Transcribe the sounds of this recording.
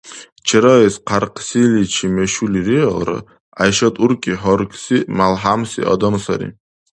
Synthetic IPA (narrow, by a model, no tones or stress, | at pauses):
t͡ʃʰɛɾɔɛsqʰaɾqʰsilit͡ʃʰimɛʃuliɾiɔlɾɔ̰ | ajʃɔt̪ʼuɾkʼiɦɔɾkʰʼsimalˠɦamsḭʔɔ̰d̪ɔmsaɾḭ